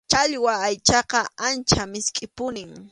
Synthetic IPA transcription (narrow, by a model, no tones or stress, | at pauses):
t͡ʃaʎwaːjt͡ʃɑqɑant͡ʃamɪskʼɪpʊnɪŋ